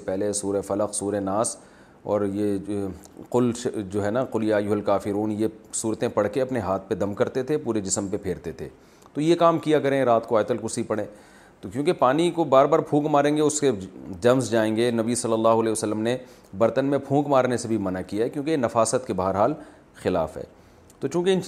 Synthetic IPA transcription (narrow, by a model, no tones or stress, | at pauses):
ssepɛɦlesuːɾefɐləqsuːɾenaːs | ɔːɾje | qʊlʃd͡ʒoːɦɛnaqʊlɪjajʊɦɛlkaːfɪɾuːnjesuːɾt̪ẽpɐɽkeɐpneɦaːt̪̚ʰped̪ɐmkɐɾt̪et̪ʰepuːɾed͡ʒɪsəmpepʰeːɾt̪et̪ʰḛː | t̪ojekaːmkijakɐɾẽɾaːt̪koaːt̪əlkʊsipɐɽẽː | t̪okjũːkepaːnikobaːɾbaːɾpʰũːkmaːɾẽːŋɡeʊsked͡ʒɐmzd͡ʒaːẽːŋɡenɐbisɐlːəlːaːɦʊlɛːosəlːəmne | bɐɾt̪ənmẽpʰũːkmaːɾnesebʱimɐnakijaɦɛkjõːkenɐfaːsət̪kebaɦəɾɦaːl | xɪla̰ːfɦɛ̰ː | t̪ot͡ʃũːkeɪn